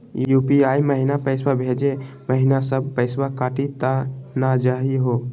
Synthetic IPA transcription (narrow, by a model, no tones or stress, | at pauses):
jupiajməɦinapəɪswabʱed͡ʒe | məɦinasəb̚ʱpəɪswakaʈit̪anad͡ʒaɦiɦo